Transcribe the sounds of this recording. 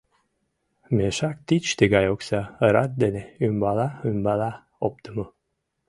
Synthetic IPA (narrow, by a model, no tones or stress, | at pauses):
meʃak̚t̪it͡ʃt̪iɡajoksaəɾat̪̚d̪enɛymbalˠaymbala | op̚t̪umu